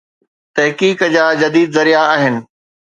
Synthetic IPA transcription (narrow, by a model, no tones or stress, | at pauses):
t̪ɐɦkiːkd͡ʑaːd͡ʑɐd̪iːd̪zɐɾijaaːɦɪnɪ̆